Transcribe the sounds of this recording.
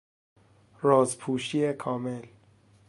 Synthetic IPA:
ɾɔːzpʰuːʃiekʰɒːmel

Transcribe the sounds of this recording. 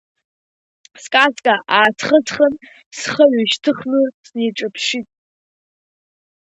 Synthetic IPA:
skʼazkʼaʔaːtʰχət͡sʰχən | sχəɥʷaʃtʰɨχnɨsnejʈ͡ʂʼapʰʃitʼ

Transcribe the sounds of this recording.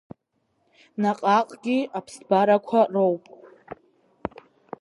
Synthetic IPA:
naqʼaqʼɡʲiapʰsbaɾakʷʰarowpʼ

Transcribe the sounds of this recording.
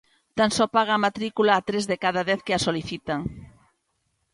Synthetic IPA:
t̪ansɔpaɣ̞aːmat̪ɾikulaːt̪ɾezðekaðaðɛθkeasoliθit̪aŋ

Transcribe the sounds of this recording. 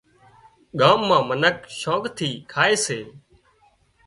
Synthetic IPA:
ɠaːmːãːmənəkʃɔːkt̪ʰiːkʰaːeːseː

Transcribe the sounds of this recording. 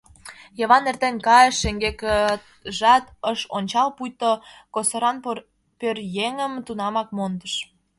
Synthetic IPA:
jɤβɑnert̪enʲkɑjəʃːeŋɡekə | ʒɑt̪əʃonʲt͡ɕɑlpujt̪okosoɾɑn | pørjeŋəmt̪unɑmɑk̚mond̪əʃ

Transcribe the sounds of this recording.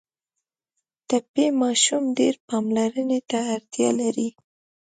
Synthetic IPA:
t̪apemɑʃumɖeɾpɑmlaɾənet̪aːɾt̪jɑ̰laɾi

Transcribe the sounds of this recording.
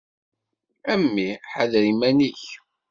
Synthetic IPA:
æmːiħəðɾimæniç

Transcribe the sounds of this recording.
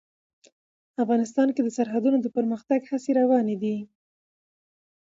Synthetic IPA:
afɣɑnɪs̬t̪ɑnked̪əsaɾɦad̪unod̪əpəɾməxt̪aɡhaseɾawɑned̪i

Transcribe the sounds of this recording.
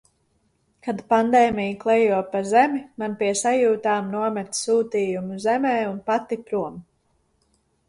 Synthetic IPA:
kad̪pand̪eːmʲijklˠɛjuɔpazɛmimanpiɛsajuːt̪aːmnuɔmɛt̪suːt̪iːjumuzɛmɛːunpat̪ipɾuɔm

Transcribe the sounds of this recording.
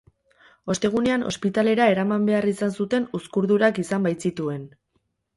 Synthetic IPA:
o̞st̪e̞ɣ̞une̞ano̞̰spit̪ale̞ɾae̞ɾamambe̞arisansut̪e̞nuskuɾðuɾakisambajt͡sit̪ue̞n

